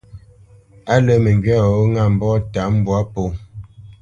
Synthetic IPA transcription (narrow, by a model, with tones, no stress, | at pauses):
a˦lə˦me˨ŋɡɥa˦˨o˦ŋa˦˨m̩˨bɔ˦ta˨˦m˦bwa˨˦po˨